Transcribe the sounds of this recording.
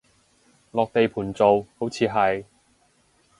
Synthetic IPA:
lɔː˨k̚t̪e˨jpʰuː˨˩nt͡so˨who˨˥wt͡sʰiː˨˧ɦɐ˨j

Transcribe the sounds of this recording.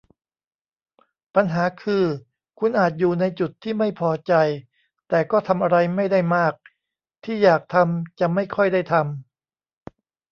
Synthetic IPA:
pa˧nɦaː˩˦kʰɯː˧ | kʰu˧nʔaː˨˩t̪̚juː˨˩na˧jt͡ɕu˨˩t̪ʰːiː˥˩ma˥˩jpʰɔː˧t͡ɕa˧j | t̪ɛː˨˩kɔː˥˩t̪ʰa˧mʔa˧ɾa˧jma˥˩jda˥˩jmaː˥˩k̚ | t̪ʰiː˥˩jaː˨˩k̚t̪ʰa˧mt͡ɕa˨˩ma˥˩jkʰɔ˥˩jda˥˩jt̪ʰa˧m

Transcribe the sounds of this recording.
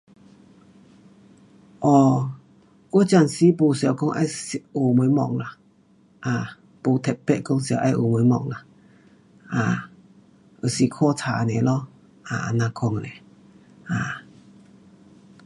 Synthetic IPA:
ʔɔ˧˨ | o˦t͡ɕa˧˨nsi˧˦po˧˨sa˨kɔ˧˦ŋʔa̰˧˦jso˨mə˨˦mɔ̰˧˨ŋla˨ | ʔaː˨ | po˧t̪ʰɛ˨t̚pɛ˧ʔkɔ˧˦ŋsja˧˨ʔa˧jʔo̰˨mə˨˧˦mɔ̰˧˨ŋla˨ | a˨ | ʔə˨si˧kʰɔ˥˧˨t͡sʰa˨nɛ̃˨lɔ˧ | a˨a̰˨nã˧kʰɔ˧ŋnɛ˨ | a˨

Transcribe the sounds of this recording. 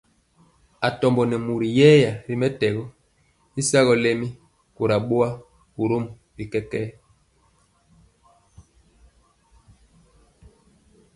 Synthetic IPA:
a˨tɔ˨mbɔ˨nɛ˨mu˨ɾi˨jɛ˦ja˨ɾi˦mɛ˦tɛ˨ɣɔ˦ | i˦sa˦ɣɔ˨le˦mi˦ | ko˨ɾa˨ɓo˦a˦ | ku˨ɾo˦m | bi˨kɛ˦kɛ˦

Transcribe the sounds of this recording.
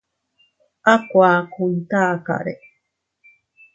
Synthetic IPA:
ʔa˦kʷaː˨ku˧nt̪aː˦ka̰˨ʔɾe˨

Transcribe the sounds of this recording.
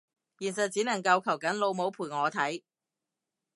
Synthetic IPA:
jiː˨˩nsɐ˨t̚t͡siː˨˥nɐ˨˩ŋkɐ˧wkʰɐ˨˩wkɐ˨˥nlo˨˧wmo˨˥wpʰuː˨˩jŋɔː˨˧t̪ʰɐ˨˥j

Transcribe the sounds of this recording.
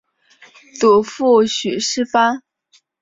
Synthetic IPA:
t͡su˨˩fu˥˩ɕy˨˩ʂɻ̩˥fa˥

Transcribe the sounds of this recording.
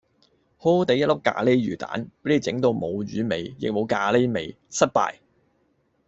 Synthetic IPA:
ho˥t̪e˨˧jɐ˥tlʊ˥kːa̰ː˧le˥jɥyː˨˩t̪a̰ː˨˥npe˨˥i˨˩t͡sɪ˨˥ŋt̪o˧wmo˨˧wɥyː˨˥me˨˧jjɪ̰˨k̚mo˨˧wkaː˧le˥me˨˩j | sɐ˥t̚pa̰ː˧j

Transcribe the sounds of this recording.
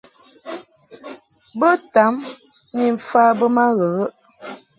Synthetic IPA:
bə˦ta˨˦m | ni˨ɱ̩˨fa˦bə˦ma˦ɣə˨ɣə˦ʔ

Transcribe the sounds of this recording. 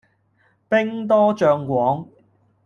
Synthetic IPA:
pɪ˥ŋt̪̬ɔː˥t͡ʃœː˧ŋkʷɔː˨˥ŋ

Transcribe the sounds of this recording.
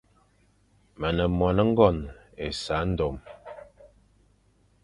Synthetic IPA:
mə˨nə˨mwa˨nə˦ŋ̩˦ɡɔ˦˨n | ḛ˨sa˨˦n̩˦do˨m

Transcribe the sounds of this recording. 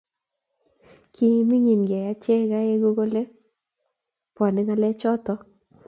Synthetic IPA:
ki˦mi˦ŋi˨nɡɛ˨ja˨˦t͡ʃɛ˦ka˦e˦ɡo˦ɡo˦le˦ | pɔ˨nɛ˦ŋa˦lɛ˦t͡ʃɔ˦t̪ɔ˦

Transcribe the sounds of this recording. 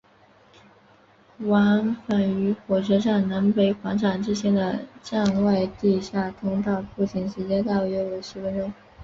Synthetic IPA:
wa˧˥ŋfa˨˩ny˧˥xwɔ˨˩ʂɤ˧˥ʈ͡ʂa˥˩nna˧˥npe˧˥ɪxwɑ˧˥ŋʈ͡ʂʰa˨˩ŋʈ͡ʂɻ̩˥ɕʰjɛ˥nd̪ə˧ʈ͡ʂa˥˧ŋwa˥˧ɪt̪i˥˧ɕja˥˩t̪ʰʊ˥ŋt̪ɑ˥˧ʊpu˥˩t͡ɕʰi˨˩ŋʂɻ̩˧˥t͡ɕjɛ˥t̪ɑ˥˩ʊ˩ɥɛ˧˥we˧˥˩ɪʂɻ̩˧˥fə˥nʈ͡ʂo˥ŋ

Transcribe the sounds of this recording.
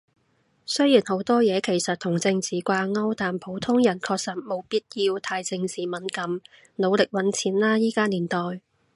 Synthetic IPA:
sɵ˥jiː˨˩nho˨˧˥wt̪ɔː˥jɛː˨˧kʰe˨˩jsɐ˨t̚t̪ʰʊ˨˩ŋt͡sɪ˧ŋt͡siː˨kʷaː˧ŋɐ˥wt̪aː˨mpʰo˨˥wt̪ʰʊ˥ŋjɐ˨˩nkʰɔː˧k̚sɐ˨t̚mo˨˧wpiː˥t̚jiː˧wt̪ʰaː˧jt͡sɪ˧ŋt͡siː˨mɐ˨˥nkɐ˨˥m | no˨˧wlɪ˨k̚wɐ˨˥nt͡sʰiː˨˥nlaː˥jiː˥kaː˥niː˨˩nt̪ɔː˨˩j

